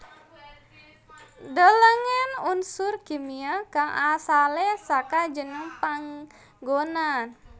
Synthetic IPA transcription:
dələŋɛnunsʊrkimiaɡaŋʔasalɛsakad͡ʒənəŋpaŋ | ɡonan

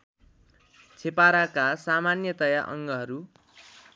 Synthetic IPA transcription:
t͡sʰepaɾakasamanjʌt̪ʌjaʔʌ̰ŋɡʌɦʌɾu

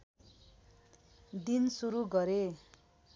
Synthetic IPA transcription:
d̪insuɾuɡʌɾe

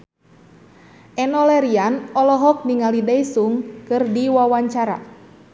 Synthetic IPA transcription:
ʔɛnɔlɛɾianɔlɔɦɔk̚niŋalidaisuŋkɨrdiwawaɲt͡ʃaɾa̰

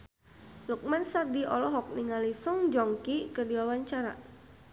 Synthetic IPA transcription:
luk̚mansardiʔɔ̰lɔɦɔk̚niŋalisɔŋd͡ʒɔŋkikədiwawaɲt͡ʃaɾa̰

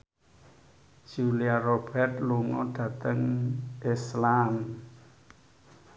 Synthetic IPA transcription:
ʒ̥uliarob̥ɛrt̪̚luŋɔɖ̥ä̤t̪əŋʔɪslam

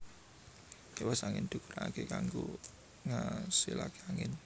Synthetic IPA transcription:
ewasaŋɪnd̪̥ṳkəɾaaɡ̥ekaŋɡu | ŋasilakeaŋɪn

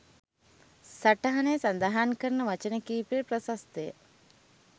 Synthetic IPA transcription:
saʈɐɦɐnejsand̪aɦaːnkəɾnəʋɐt͡ʃənəkiːpiprəsast̪ejə̰

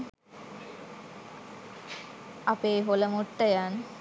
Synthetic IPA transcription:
apeːɦoləmoʈːəjan

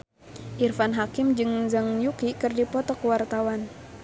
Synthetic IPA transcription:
ʔirfanɦakɪmd͡ʒɨŋzaŋjukikɨrdipɔt̪ɔkəwart̪awan

